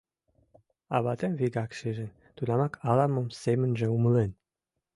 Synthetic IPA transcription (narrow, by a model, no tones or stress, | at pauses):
ɑβɑt̪emviɡɑkʃeʒĕn | t̪unɑmɑkʰɑlɑmə̆msemə̆nʒĕuməlen